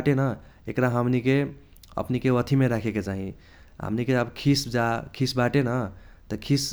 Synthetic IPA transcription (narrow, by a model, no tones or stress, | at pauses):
ʈenʌ | ekɾaɦəmnike | ə̰pnikeət̪ʰimeɾakʰeket͡ʃaɦĩ | ɦə̰mnikeəbkʰisd͡ʒakʰisbaʈenət̪ʌkʰis